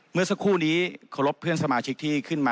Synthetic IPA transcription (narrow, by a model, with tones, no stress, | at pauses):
mɯ˥˩ɐsa˧˥kʰuː˥˩niː˦˥kʰa˧˩wɾo˦˥pʰːɯ˥˩ənsa˧maː˧t͡ɕʰi˦˥k̚t̪ʰiː˥˩kʰɯ˥˩nmaː˧